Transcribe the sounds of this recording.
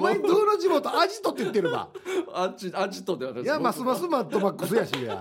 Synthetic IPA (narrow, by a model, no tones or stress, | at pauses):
maɲid̪oːnod͡ʑimot̪oʔad͡ʑit̪ːot̪ːeit̪ːeɾɯɡa̰at͡ɕiad͡ʑit̪od̪eβat̪akjamasɨmasɨmãnt̪omakːɯs̬ɨjaɕija̰